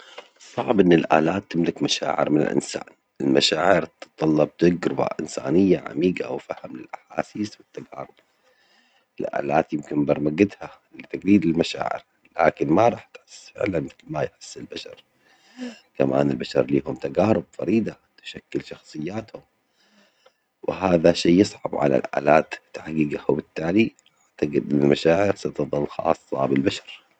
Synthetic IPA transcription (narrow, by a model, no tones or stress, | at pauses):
sˤɑʕbʔɪnːɪlʔa̰ːlaːt̪ːɪmlɪkmaʃa̰ːʕɪ̰ɾmɪnɪ̰lʔɪ̰nsa̰ːn | ɪlmaʃaːʕɪɾt̪t̪ˤːɑlːɑb̚t̪aɡɾʊba̰ʔɪ̰nsa̰ːnɪjːaʕa̰miːɡa̰wfahɪmlɪlʔaħa̰ːsiːswɪt̪ːaɡa̰ːɾˤʊb̥̚ | ɪlʔa̰ːlaːt̪jɪmkɪnbɑɾˤmaɡɪd̪ha | lɪt̪aɡɾiːd̪ɪlmaʃa̰ːʕɪ̰ɾ | la̰ːkɪnmaɾˤɑːħt̪ħɪsːfɪ̰ʕlanmɪθlmajħɪ̥sːɪlbaʃɑ̰ɾˤ | kama̰ːnɪlbaʃɑɾˤliːhʊmt̪aɡaːɾˤʊbfɑ̰ɾiːd̪a | t̪ɪ̥ʃakːɪlʃɑxsˤɨjːaːt̪hʊm | wɪɦaːðaʃeːɨsˤʕɑ̰bʕa̰la̰lʔa̰ːlaːt̪ːaħɡiːɡahwbɪt̪ːaːliʔaʕt̪aɡɪd̪ʔɪnːalmaʃaːʕɪɾsat̪ɨðˤɨlxɑ̰ːsˤːɑ̰bɪlbaʃɑɾ